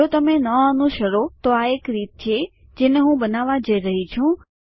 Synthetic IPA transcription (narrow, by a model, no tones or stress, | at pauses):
ot̪əmẽnəənũʃəɾot̪oaekɾit̪̚t͡ʃʰe | d͡ʒeneɦũbənaʋad͡ʒəiɾəɦit͡ʃʰũ